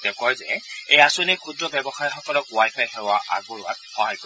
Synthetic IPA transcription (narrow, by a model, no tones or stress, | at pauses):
dɛkɔjzɛ̰ejasonikʰudɹɔbɛbɔxajxɔkɔlɔkwajpʰajɦɛwaʔa̰ɡuɹa̰t̚xɔɦajkɔ